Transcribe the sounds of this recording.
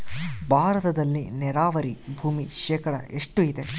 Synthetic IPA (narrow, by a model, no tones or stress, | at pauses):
bʱaːɾɐt̪ɐd̪ɐlːinɛɾaːʋɐɾibʱuːmiʃɛːkɐɽɐ̰eʂʈuid̪e̞